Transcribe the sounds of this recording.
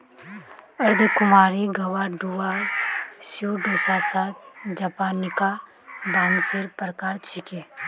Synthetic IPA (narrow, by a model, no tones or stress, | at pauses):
ɐɾd̪ʱkʊmaːɾiɡɐwaɖuwa | suɖoːsasat̪̚d͡ʒapaːnɪka | baːnseɾpəɾəkaːɾt͡ʃʰikeː